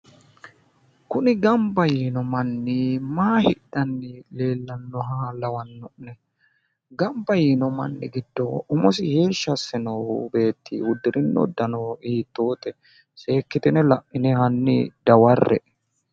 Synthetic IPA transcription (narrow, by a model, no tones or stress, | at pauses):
kʊnɪɡɐmbɐjiːnɔmɐnːɪmaːhɪdɐnːɪle̞ːlːɐnːɔɦaːlɐwɐnːɔʔnɛ | ɡɐmbɐjiːnɔmɐ̰nːɪ̰ɡɪd̪ːɔʊmɔsɪheːʃːɐsːɛnɔbe̞ːt̪ʰːḭːwʊd̪ːɪɾɪnːɔ̰d̪ːɐnɔiːt̪ːoːt̪ɛ | se̞ːkːɪt̪ɪnɛlɐʔʔɪnɛhɐnːɪ̰d̪̥ɐwɐrːɛ̰ʔ